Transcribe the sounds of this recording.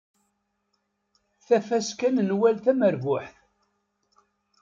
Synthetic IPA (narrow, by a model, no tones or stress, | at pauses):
θæfæskænnwælθæməɾvʊħθ